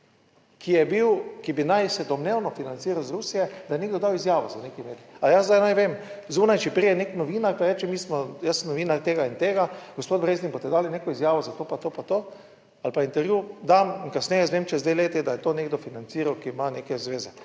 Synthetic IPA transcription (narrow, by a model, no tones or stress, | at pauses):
kijɛbiwkibinajsɛd̪ɔmnewnɔfinant̪siːɾawzɾuːsijɛd̪ajɛneːɡd̪ɔd̪awizjaːʋɔzanekimeːɾiajazzd̪ajnajʋeːmzuːnajt͡ʃɛpɾijɛneknɔʋiːnaɾpaɾɛːt͡ʃɛmiːsmɔjasəmnɔʋiːnaɾt̪eːɡaint̪eːɡaɡ̥ospoːt̪̚bɾeːzninboɔst̪ɛd̪aːlineːkɔizjaːʋɔzat̪oːpat̪oːpat̪oː | alpaint̪ɛɾjud̪amiŋkasnɛjɛzʋemt͡ʃɛzd̪ajleːt̪id̪ajɛt̪oːneɡ̚d̪ɔfinant̪siːɾawkimaneːkɛzʋeːzɛ